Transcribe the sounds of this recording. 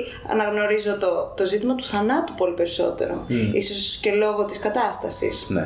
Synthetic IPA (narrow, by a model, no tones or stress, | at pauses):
ɐ̰nɐɣno̞ɾizo̞t̪ot̪o̞zit̪imɐt̪u̥θɐnɐt̪upo̞lipe̞ɾiso̞̰t̪e̞̰ɾo̞̰isosce̞lo̞ɣo̞t̪iskɐt̪ɐst̪ɐsḭsn̰